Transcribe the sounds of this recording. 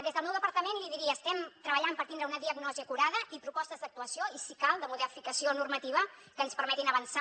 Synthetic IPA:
d̪ezðəlˠmɛwðəpəɾt̪əmenliðiɾiəːst̪ɛmt̪ɾəβəʎampəɾt̪ind̪ɾəunəðiəɡnɔziəkuɾaðəʔipɾupɔst̪əzd̪ək̚t̪uəsioisikalˠd̪əmuðɛfikəsionurmət̪iβ̞əkənspəɾmɛt̪inəβənsa

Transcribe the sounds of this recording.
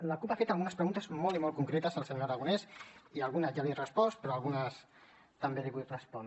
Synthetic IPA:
ləkupafet̪alˠɣunəspɾəɣunt̪əzmɔlˠimɔlkuŋkɾet̪əzəlˠseɲɾəɣ̞unɛsialˠɣunəzʒalirəspɔspɾɔalɣunəs | t̪əmbeðiɣut̪rəspɔn

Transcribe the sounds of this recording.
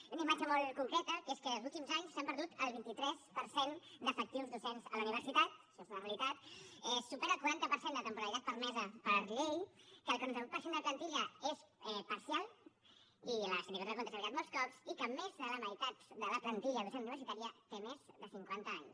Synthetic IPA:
unaimad͡ʒəmɔlˠkuŋkɾɛt̪əkeskəlˠzulˠt̪imzaɲssːampəɾðut̪əlˠβint̪it̪ɾɛspəɾsend̪əfək̚t̪iwzðusenzələuniβ̞əɾsit̪at̪̚ʃozunəreəlit̪at̪ɛsupɛɾəːlˠkuɾant̪əpəɾsend̪ət̪əmpuɾəɾit̪at̪̚pəɾmɛzəpəɾʎejkəlˠkonənəɾupəɾsend̪əplənt̪iʎəesɛpəɾsialˠ | iləsuniβeɾt̪akont̪esaɾiɣat̪mɔlˠskɔpsikəmezðələməjt̪at̪d̪ələplənt̪iʎəðusenuniβəɾsit̪aɾiət̪emezðəsiŋkwant̪əaɲs

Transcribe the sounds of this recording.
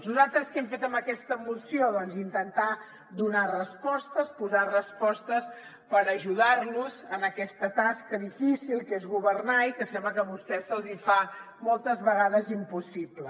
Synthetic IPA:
nuzalˠt̪ɾəskɛmfet̪əmbəkɛst̪əmusioðɔnzint̪ənt̪a | d̪unarəspɔst̪əspuzarəspɔst̪əs | pəɾəʒuðarnuzənəkɛst̪ət̪askəðifisilˠkezɣuβərnaikəsɛmbləkəβust̪ɛsəlˠzifa | mɔlˠt̪əzβəɣaðəzimpusiblə

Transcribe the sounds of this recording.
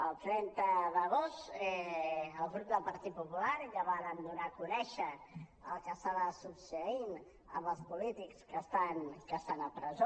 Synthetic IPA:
əlˠt̪ɾɛnt̪əðəɣost̪ɛəlˠɣɾup̚d̪əlˠpəɾt̪it̪̚pupulaɾʎaβaɾənd̪unakunɛʃəəlˠkəsaβəsupsəin | ə̰mbəlˠspulit̪ikskəst̪ankəst̪anəpɾəzo

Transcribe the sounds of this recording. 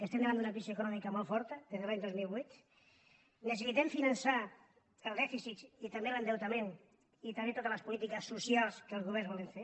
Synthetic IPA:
kəst̪ɛmd̪eβand̪unɐkɾis̬ioekunɔmikɐmɔlˠfɔɾt̪əd̪eðeβaɲd̪ozmilˠβujt̪ | nəs̬əsit̪ɛmfinənsa | əlˠd̪ɛfisit̪it̪ambelənd̪ewt̪amen | it̪aet̪ot̪ələspulit̪̬ikəsːusialˠskəlˠzɣuβ̞ɛɾzβɔleɱfe

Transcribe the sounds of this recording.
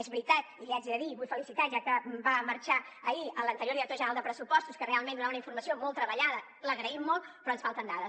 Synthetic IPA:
ezβɾit̪at̪̚iliad͡ʒiðəðiβujfəlisit̪aʒakəmbaməɾt͡ʃaəiələnt̪əɾjoɾðiɾək̚t̪oʒənɾalˠd̪əpɾəsupɔst̪uskərealˠmend̪unaunəiɱfuɾməsiomɔlˠt̪ːɾəβəʎaðə | ləɣɾəimːolˠpɾɔənsfalˠt̪ənd̪aðəs

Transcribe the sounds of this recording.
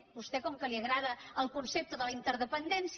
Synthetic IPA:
bust̪ɛkɔŋkəliəɣɾaðəəlˠkunsep̚t̪əðələint̪əɾðəpənd̪ɛns

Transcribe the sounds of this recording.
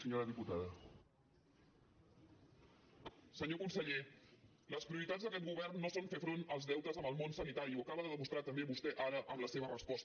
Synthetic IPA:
səɲoɾəðiput̪aðə | səɲokunsəʎe | ləspɾiuɾit̪add͡zzðəkɛt̪̚ɡuβ̞ɛrnːosonfefɾonəlˠzðɛwt̪əzəməlˠmonsənit̪aɾiuəkaβəðəðəmust̪ɾat̪əmbeβust̪ɛʔaɾəʔəmləseβ̞ərəspɔst̪ə

